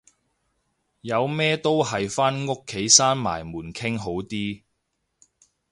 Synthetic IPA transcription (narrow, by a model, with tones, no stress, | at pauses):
jɐ˨˧wmɛː˥t̪o˥wɦɐ˨jfaː˥nŋʊ˥kʰːe˨˥jsaː˥nma̰ː˨˩jmuː˨˩nkʰɪ˥ŋɦo˨˥wt̪iː˥